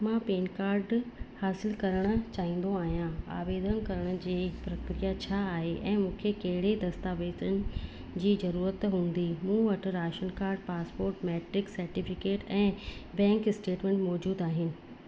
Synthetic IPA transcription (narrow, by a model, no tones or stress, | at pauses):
mãpeːnkaːɾɖhaːsɪlkɐɾəɽ̃ə̆t͡ɕaːĩːn̆d̪oaːɦijãa̰ːʋeːd̪ʱənkɐɾəɽ̃ə̆d͡ʑeːpɾɐkɾijat͡ɕʰaːɦeʔɛ̃ːmũːkʰekɐɦɪɽed̪ɐst̪aːʋeːt̪ənɪ̆ | d͡ʑiːzɐɾuːɾət̪ɦũːn̆d̪imũːʋɐʈ̆ʰɾaːʃənkaːɾɖpaːspoːɾʈmɛːʈɾɪksɐɾʈifɪkeːʈɛ̃ːbɛ̃ːŋkɪsʈeːʈmẽːɳʈmɔːd͡ʑuːd̪aːɦɪnɪ̆